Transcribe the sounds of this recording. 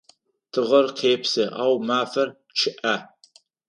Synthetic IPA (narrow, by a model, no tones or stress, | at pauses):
tʰɨʁɐrqʰeːpsɨʔaːwmaːfɐr | t͡ʃʰɪʔa